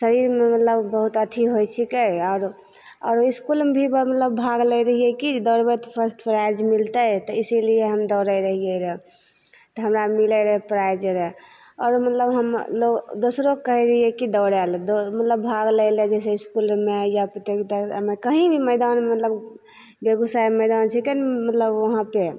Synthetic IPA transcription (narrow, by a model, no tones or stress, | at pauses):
səɾiɾmemət̪ləbbəɦut̪ət̪ʰiɦojt͡ʃʰikeɔːɾ | ɔ̰ːɾiskulmebʱibəmət̪ləbːbʱaɡləjɾəɦijɛkid̪ɔɾbɛt̪pʰəɾsʈpɾajd͡ʒmilt̪ət̪ɔisilieɦəmd̪ɔʊɾəjɾəɦijeɾɛ | t̪ɔɦəmɾamiləɾəpɾajd͡ʒɾe | ɔ̰ːɾmət̪ləbɦəmlod̪osɾokːəɦɛɾəɦijɛkid̪ɔɾɛld̪omət̪ləbbʱaɡləɪled͡ʒɛs̬eiskulmejapɾət̪ekt̪əmekəɦĩbʱiməjd̪anmət̪ləb | beɡusajməɪd̪ant͡ʃʰikənmət̪ləbʋəɦãpe